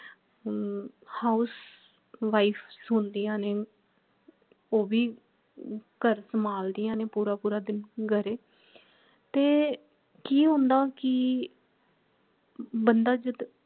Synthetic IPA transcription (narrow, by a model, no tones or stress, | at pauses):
haːʊs | ʋaːipʰsɦʊnd̪iːjãːneː | oːbiː | kəɾsəmaːld̪iːjãːneːpuːɾaːpuːɾaːd̪ɪnɡəɾeː | t̪eː | kiːɦõnd̪aːkɪ | bənd̪aːd͡ʒəd̪